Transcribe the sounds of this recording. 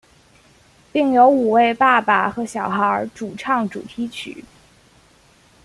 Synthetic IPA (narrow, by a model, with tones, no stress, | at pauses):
pi˥˩ŋjo˧˥ʊu˨˩we˥˧ɪpa˥˩pa˨˩xɤ˧˥ɕjɑ˨˩ʊxə˞˧˥˧ʈ͡ʂu˨˩ʈ͡ʂʰɑ˥˩ŋʈ͡ʂu˨˩t̪ʰi˧˥t͡ɕʰy̰˨˩˦